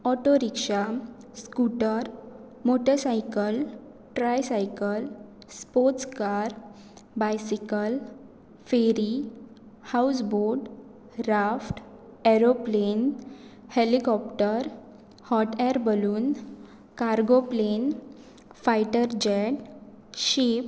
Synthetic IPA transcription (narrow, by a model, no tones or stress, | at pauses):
ɔʈoɾikʂaskuʈəɾ | moʈʰesajkəl | ʈɾajsajkəl | spoɾt͡skaɾ | bajsikəl | feɾi | hawsboɖ | ɾafʈ | ɛɾoplenhelikɔpʈəɾ | hɔʈɛɾbəluːn | kaɾɡoplen | fajʈəɾd͡ʑɛɖ | ɕiːp